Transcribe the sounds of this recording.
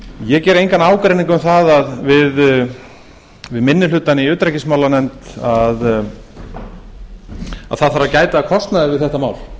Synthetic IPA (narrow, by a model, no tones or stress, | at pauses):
jɛcɛːɾejŋkanaːwkɾejnĩŋkʏmθaðaðvɪð | vɪðmɪnːɪlʏːt̪anɪiʏːt̪ɾajcɪsmaːwlanɛmt̪að | a̰ðθaðθfaɾacaːjt̪aːkʰɔst̪naðɪvɪðθɛht̪amaːwl̥